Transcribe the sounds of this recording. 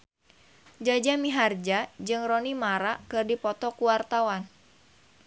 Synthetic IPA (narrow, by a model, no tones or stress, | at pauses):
d͡ʒad͡ʒamiɦard͡ʒad͡ʒɨŋrɔnimaɾakɨrdipɔt̪ɔkuwart̪awan